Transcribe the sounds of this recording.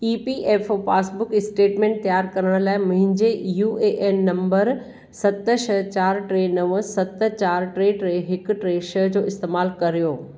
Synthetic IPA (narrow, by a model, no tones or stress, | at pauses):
iːpiʔeːffaːsbʊkɪsʈeːʈmẽːɳʈ̚t̪ɐjaːɾkɐɾəɽ̃laːɪmʊ̃ɦɪ̃ɲd͡ʑejuːʔeːʔeːmnɐ̃mbəɾ | sɐt̪ʃɐɦt͡ɕaːɾʈɾeːnɐʋəsɐt̪̆t͡ɕaːɾʈɾeːʈɾeːɦɪkʈɾeːʃɐɦd͡ʑoːɪst̪eːmaːlkɐɾijoː